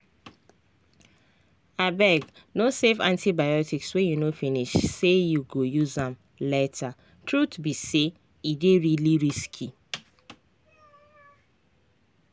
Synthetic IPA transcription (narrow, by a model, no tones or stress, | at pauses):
abɛɡ | nosevã̰ntibajɔtikswejunofiniʃsejuɡojuzãm | lɛtʰa | tɹutbise | ideɹiliɹiskʰi